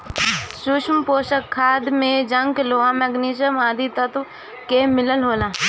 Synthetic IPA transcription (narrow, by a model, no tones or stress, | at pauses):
sʊʃmpoːʃəkʰːaːd̪mẽd͡ʒə̃ŋkloãmɛɡniːʃ̬əmaːd̪ʱit̪ət̪ | kemɪləlɦoːlãː